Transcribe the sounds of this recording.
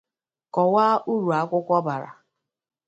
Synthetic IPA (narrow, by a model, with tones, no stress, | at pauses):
kɔ˨wa˦ʔu˦ɾu˨a˨˦kʷʊ˦kʷɔ˦ba˨ɾa̰˨